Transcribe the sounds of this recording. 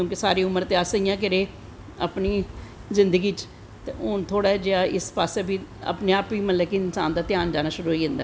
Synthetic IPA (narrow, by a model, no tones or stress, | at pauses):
kjõːkɪsaːɾeːʊməɾt̪eːaːsəijãːk̬əɾeː | əpniːzɪnd̪əɡiːt͡ʃ | t̪eːɦʊnt̪ʰoːɽaːɛd͡ʒeaːʔɪspaːseːbʱiːə̰pneaːpʋiːmət̪ləkeɪnsaːnd̪aːt̪ɪjaːnd͡ʒaːnaːʃʊɾuːɦiːɦə̃nd̪aː